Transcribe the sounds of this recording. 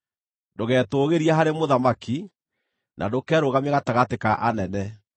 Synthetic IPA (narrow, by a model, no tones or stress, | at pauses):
ndoɣɛːtoːɣeɾiaɦaɾemoðamaki | nʔa̰dokɛːɾoɣamaɣataɣatekaʔanɛnɛ